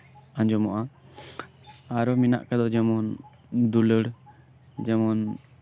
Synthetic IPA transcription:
aɲd͡ʒɔmɔʔa | aɾɔmina̰ʔkad̪ɔd͡ʒɛmɔn | d̪uləɽ | d͡ʒɛmɔn

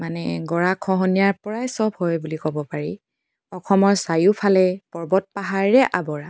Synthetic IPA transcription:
manɛɡɔɹakʰɔɦɔnijaɹpɔɹajsɔbhɔjbulikɔbɔpaɹi | ɔkʰɔmɔɹsajupʰalɛpɔɹbɔt̚paɦaɹːɛʔabɔɹa

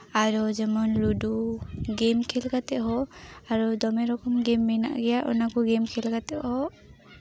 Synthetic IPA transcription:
aɾɔd͡ʒɛmɔnluduɡemkʰɛlkat̪ɛʔɦɔaɾɔd̪ɔmɛɾɔkɔmɡɛmːɛna̰ʔɡɛjaʔɔ̰nakɔɡɛmkʰɛlkat̪ɛʔhɔʔ

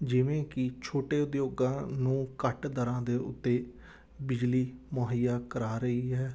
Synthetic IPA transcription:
d͡ʒɪʋẽːkɪt͡ʃʰoːʈeːʊd̪joːɡãːnũːkəʈd̪əɾãːd̪eːʊ̰t̪ːeː | bɪd͡ʒliːmoɦɪjaːkəɾaːɾəɦiːɦɛː

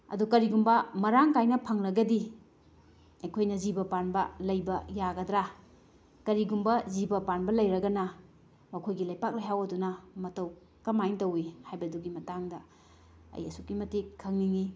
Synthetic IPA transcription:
ɐ̰dukɐɾiɡumbɐmɐɾaŋkajnɐpʰɐŋɾɐɡɐdi | ɐjkʰojnɐzibɐpanbɐlɐjbɐjaɡɐdɾa | kɐɾiɡumbɐzibɐpanbɐlɐjɾɐɡɐnɐ | mɐkʰojɡilɐjpak̚lɐjɦawɐdunɐmɐtɐw | kɐmajntɐwihajbɐduɡimɐtaŋdɐ | ɐ̰jɐsukːimɐtikʰːɐŋniŋi

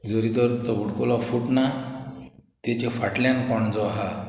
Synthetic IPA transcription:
d͡zəɾit̪əɾt̪ɔbʱuɽkolɔfuʈna | t̪et͡ɕefaʈljankɔɳd͡zɔɦa

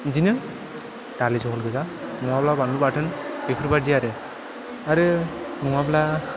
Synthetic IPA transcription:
zinɯ | d̥alizɔɦɔlɡɯzanɔŋablabandubatʰɯnb̥epʰɯɾbaɾdiaɾɯ | aɾɯ | nuŋabla

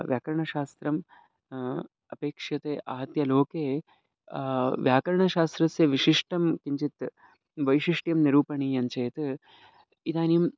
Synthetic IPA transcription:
ʋjaːkɐɾɐɳɐʃaːst̪ɾɐm | ɐpeːkʂjɐt̪eːʔa̰ːɦɐt̪jɐloːkeː | ʋjaːkɐɾɐɳɐʃaːst̪ɾɐsjɐʋiʃiʂʈɐmkiɲt͡ʃit̪ | ʋɐjʃiʂʈjɐmniɾuːpɐɳiːjɐɲt͡ʃeːt̪ | it̪aːnim

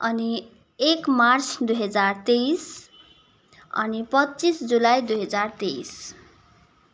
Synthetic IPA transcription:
ʌni | ekmart͡sʰd̪ujɦʌd͡zart̪ejs | ʌ̰nipʌtːt͡sisd͡zulajd̪ujɦʌd͡zart̪es

